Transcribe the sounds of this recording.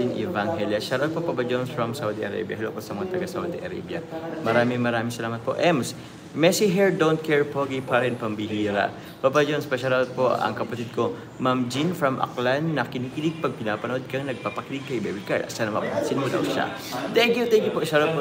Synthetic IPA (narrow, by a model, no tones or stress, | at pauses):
ɪnʔɛ̰vaŋɦɛljɐʃɐɾʔod̪̚popapɐd͡ʒonsfɹɐmsawd̪iʔɐɾa̰bjɐ̰hɪloʔposɐmɐŋat̪ɐɡasawd̪iʔɐɾa̰bjɐ̰mɐɾaːmɪŋmɐɾaːmɪŋsɐlaːmɐt̪̚po̞ʔɛms | mɛsiɦɛɹd̪ownt̪̚kʰɛɹpoɡipaɾɛnpɐmbɪɦiːɾa̰ʔ | papɐd͡ʒonspɐʃɐɾoʔd̪̚poʔɐ̰ŋkɐpɐt̪id̪̚ko̞ | mɐmd͡ʒinfɹɐmʔɐ̰klanːɐkɪniːkɪlɪɡ̚pɐɡ̚pɪnaːpɐnod̪̚kɐŋnɐɡ̚paːpɐkɪlɪɡ̚kɐjbɛbika̰ɹd̪ɐ̰sanɐmɐsɪnʊd̪ɐ̰wʃa̰ | t̪ɛŋkjut̪ɛŋkjʊpoʔʃaɾopo